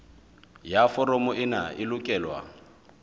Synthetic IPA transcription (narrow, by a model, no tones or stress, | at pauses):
jafɔrɔmɔʔɪna̰ʔɪlʊkʼɛːlwa̰